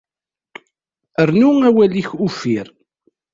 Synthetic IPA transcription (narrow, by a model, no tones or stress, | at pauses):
əɾnuæwæliçufiɾ